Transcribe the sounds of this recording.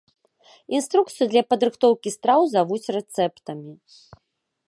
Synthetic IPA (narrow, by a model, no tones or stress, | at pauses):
inst̪ɾuk̚t̪sɨjud̪lʲɐpɐd̪ɾɨxt̪ɔwkʲist̪ɾawzavut͡sʲrɛt̪sɛpt̪ɐmʲi